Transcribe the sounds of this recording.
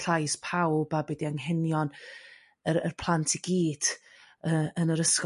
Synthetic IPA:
ɬajspʰawbabɛdiaŋɦɛnjɔn | əɾə̰rpʰlˠantʰiɡ̥iːd̥əənəɾəsk

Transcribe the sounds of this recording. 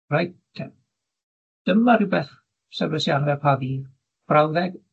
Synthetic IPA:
rajtʰɛm | d̥əmaɾɪbɛθ | sɛrbəsjanvɛpʰaðiː | b̥rawðɛɡ

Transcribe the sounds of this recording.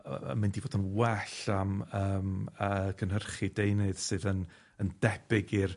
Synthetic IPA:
mɪndivoːdənwɛɬaməːməkʰənhərχidejnɨðsɨːðən | ənd̥ɛb̥ɪɡir

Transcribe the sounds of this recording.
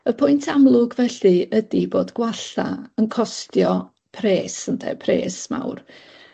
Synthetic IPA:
əpʰʊjntʰamlˠʊɡvɛɬɨədiboːdɡ̥waɬa̰ənkʰɔstjɔ | pʰreːsəndʰɛ̰pʰrḛːsma̰wr

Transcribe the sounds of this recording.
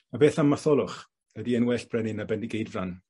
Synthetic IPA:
abeːθamːaθɔlˠʊχ | ədiənwɛːɬb̥ʰrɛnɪnabɛndɪɡejdvran

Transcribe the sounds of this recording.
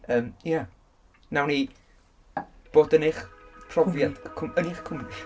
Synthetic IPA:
əːmja | nawni | b̥oːdənɪχpʰrɔvvjad̥kʰʊməniχkʰʊmri

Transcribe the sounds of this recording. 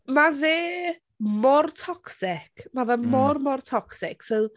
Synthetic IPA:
maveː | mɔrtʰɔksɪkʰmavɛmɔrmɔrtʰɔksɪksow

